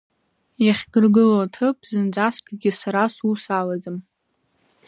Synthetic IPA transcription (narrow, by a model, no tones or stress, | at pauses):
jaχʲɡɨrɡɨlotʰɨpʼzɨnd͡ʒʷaskʲʷʼaɡʲɪsaɾasusalazɨm